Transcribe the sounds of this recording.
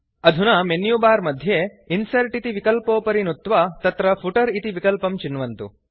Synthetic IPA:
ɐd̪ʱunɐmenjubaːɾmɐd̪ʱje | insɐɾʈit̪iʋikɐlpoːpɐɾinut̪ːʋat̪ɐt̪ɾɐpʰuʈɐɾit̪iʋikɐlpɐmt͡ʃinːʋɐnt̪u

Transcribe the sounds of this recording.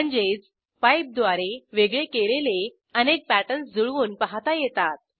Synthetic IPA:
əɳd͡ʑet͡s | pajp̚d̪ʋaɾeʋeɡɭekelele | ənek̚pæʈənsd͡zuɭuːnpaɦat̪ajɛt̪at̪̚

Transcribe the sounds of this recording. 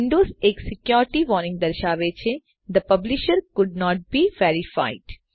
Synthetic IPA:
ɪ̃ɳɖoːzeːksɪkjɔːɾɪʈiʋɔːɾnɪ̃ŋɡ̚d̪ɐɾʃaːʋet͡ʃʰe | d̪əpɐblɪʃəɾkʊɖ̚nɔːʈ̚biːʋeːɾɪfa̰ːɪɖ

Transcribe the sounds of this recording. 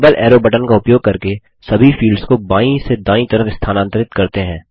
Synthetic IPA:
bəlʔɛːɾobəʈənkaʊpjoːɡ̚kɐɾke | sɐbʱifiːlɖskobaːĩsed̪ãːĩt̪ɐɾəfɪst̪ʰaːnãːnt̪əɾɪt̪kɐɾt̪eɦɛ̃ː

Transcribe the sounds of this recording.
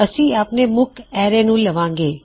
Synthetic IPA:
əsiaːpnemʊkʰɛːɾenũləʋãːŋɡeː

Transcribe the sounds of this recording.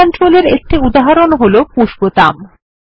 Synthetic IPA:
ɔnʈɾoleɾek̚ʈiud̪aɦaɾonɦolopuʃbot̪am

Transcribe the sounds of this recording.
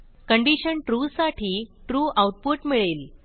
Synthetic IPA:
kəɳɖiɕənʈɾusaʈʰiːʈɾuːawʈ̚puʈmiɭel

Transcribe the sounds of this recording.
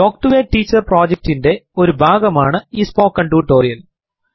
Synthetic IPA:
ʈo̞ːk̚ʈuʋeːʈːiːt͡ɕːɐrproːd͡ʑek̚tinde̞o̞ɾubʱaːɡɐmaːɳɨiːspoːkːɐɳɖuːʈːoːrijɐl

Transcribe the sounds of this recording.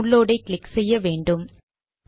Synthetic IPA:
ʊɭːoːɽɐɪkɭɪksɛjːɐʋeːɳɖɯm

